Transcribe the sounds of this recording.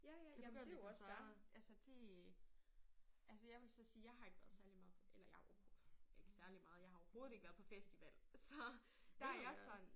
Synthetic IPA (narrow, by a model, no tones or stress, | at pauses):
jæjæaeoɒsæɐnʔælsəd̥e̝ | ʔælsəjɑ̈ɪʋe̝lsɒ̽siːjɑ̈ɪɦɑ̈e̝ɡ̥ʋæɐð̞ˠsæɐlimɑ̈ːð̩ˠelɐjɑ̈ɪɒhoe̝ɡ̥ə̥sæɐlimɑ̈ːð̞̩ˠjɑ̈ɪhɑɒɐho̝ːðˠe̝ɡ̥ʋæɐðˠpʰɒ̽fesd̥iʋæl̰sɒ̽ | d̥æɑjɑsɒ̽n